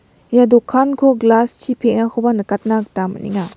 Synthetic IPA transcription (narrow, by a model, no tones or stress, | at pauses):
jadɔkʰankʰɔɡlastʰipʰeʔ̚ŋahʰɔbanɐkat̚nak̚tamɐ̰nḭŋa